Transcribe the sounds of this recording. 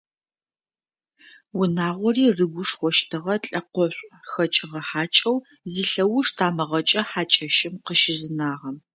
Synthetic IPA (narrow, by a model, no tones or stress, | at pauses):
wʊnaːʁʷɔriːrɨɡʷʊʂxʷɔʃtʰɨʁɐɬʼɐqʷɔɕʷʼxɐt͡ʃʼɪʁɐħaːt͡ʃʼɐw | ziːɬɐwʊʂtʰaːmɐʁɐt͡ʃʼɐħaːt͡ʃʼɐʃɪmqəʃɪzɨnaːʁɐm